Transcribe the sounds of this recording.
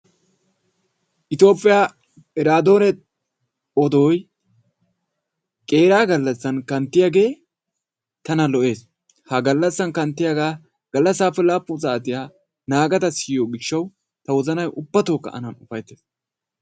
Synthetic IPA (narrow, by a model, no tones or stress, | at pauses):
ʔɪt̪o̞ːpʼːɪjaː | ɪɾaːd̪o̞ːnɛ | ɔd̪oːj | kʼe̞ːɾaːɡɐlːɐsːɐnkɐnt̪ːɪjaɡe̞ː | t̪ɐnɐlɔʔe̞ːs | hɐɡɐlːɐsːɐnkɐnt̪ːɪjaɡaː | ɡ̥ɐlːɐsːaːpːɛlaːpːʊt͡saːt̪ɪjaː | naːɡɐt̪ɐsɪːjoːɡɪʃːɐw | t̪ɐwɔzɐnɐjʔʊbːɐt̪oːkːɐ̰ʔɐ̰nɐnʊfɐjt̪ːeːs